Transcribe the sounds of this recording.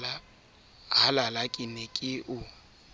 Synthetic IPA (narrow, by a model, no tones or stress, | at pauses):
la | ɦalalakʼɪnɛkʼɪʔʊ